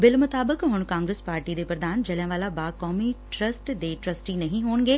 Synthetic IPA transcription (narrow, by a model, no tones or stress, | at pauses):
bɪlmʊt̪aːbəkɦʊɽ̃kãːŋɡɾeːspaːɾʈid̪epɾɐd̪aːnd͡ʑɐljãʋaːlabaːkɔːmiʈɾɐsʈd̪eːʈɾɐsʈinɐɦĩɦuːɽ̃ŋɡeː